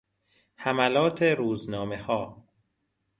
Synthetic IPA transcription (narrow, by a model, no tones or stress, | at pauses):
hæmælɒːt̪ʰeɾuːznɒːmehɒː